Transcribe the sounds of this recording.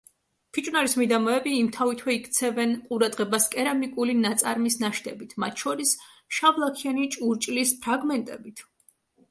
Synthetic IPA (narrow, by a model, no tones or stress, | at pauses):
pʰit͡ʃʼnaɾismid̪amɔɛbiːmt̪ʰavit̪ʰwɛikʰt̪sʰɛvɛnqʼuɾad̪ʁɛbaskʼɛɾamikʼulinat̪sʼaɾmisnaʃt̪ɛbit̪ʰmat̪ʰʃɔɾis | ʃavlˠakʰianit͡ʃʼuɾt͡ʃʼlispʰɾaɡmɛnt̪ʼɛbit̪ʰ